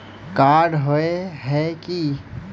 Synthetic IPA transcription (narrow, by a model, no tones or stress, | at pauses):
kaːɾɖɦoeɦɛki